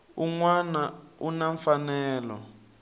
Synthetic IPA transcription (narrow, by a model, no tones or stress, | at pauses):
uŋwanaunaɱfanɛːlɔ̰